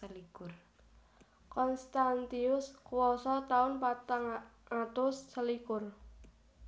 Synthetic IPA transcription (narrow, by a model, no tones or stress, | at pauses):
əlikʊr | kɔnst̪ant̪iʊskuwɔsɔt̪aʊnpat̪aŋat̪ʊsːəlikʊr